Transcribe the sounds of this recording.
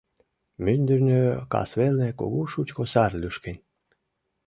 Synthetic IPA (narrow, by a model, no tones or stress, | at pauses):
mynʲd̪ɘrʲnʲøkɑ̰svelʲneko̰ɣuʃut͡ɕkosɑrlʲyʃkenʲ